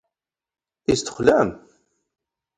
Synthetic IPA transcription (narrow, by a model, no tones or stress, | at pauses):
ist̪ə̥χlæm